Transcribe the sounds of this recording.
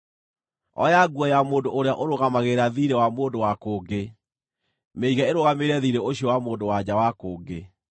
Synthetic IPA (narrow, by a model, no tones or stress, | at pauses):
ɔ̰jaɡuɔjamoːndoʔoɾeaʔoɾoɣamaɣeɾaðiɾewamoːndowakoːɡe | meiɣɛeɾoɣameɾɛðiɾeoɕiɔwamoːndowad͡ʑawakoːɡe